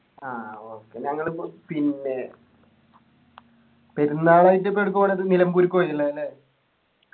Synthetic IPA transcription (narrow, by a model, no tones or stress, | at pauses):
aːoːkːe̞ɲɐŋːɐɭpinːe̞ | peɾunːaːɭaːjitːepːoeɽuk̬ːupoːneɐðɨnilɐmkuɾukʲːoːɐitːilːɐɐlːe